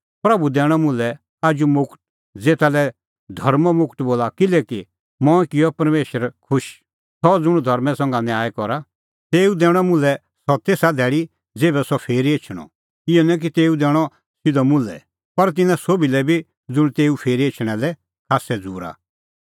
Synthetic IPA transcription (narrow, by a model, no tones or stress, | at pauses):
pɾɐbud̪ɛːɽ̃ɔmʊ̃lɛ | aːd͡ʒumʊkʈ̚ | d͡zeːt̪alɛ | d̪ʱɐɾmmʊkʈboːlakɪlɛki | mɔ̃ɛkɪjɔpɐɾmeːʃəɾkʰʊʃ | sɔd͡zʊɽ̃d̪ʱɐɾmɛ̃sɐ̃ŋɡanjaːɛkɔɾa | t̪eːud̪ɛːɽ̃ɔmʊ̃lɛ | sɔt̪eːsad̪ʱɛːɽi | d͡zeːbɛsɔpʰeːɾiet͡ʃʰɽ̃ɔ̰ | ɪjɔnɛ̃k̬it̪eːud̪ɛːɽ̃ɔ | sɪd̪ɔmʊ̃lɛ̰ | pɐɾt̪̬ɪnãsobilɛbʱi | d͡zʊɽ̃t̪eːupʰeːɾiet͡ʃʰɽ̃ɛlɛ | kʰaːsɛd͡zṵːɾa̰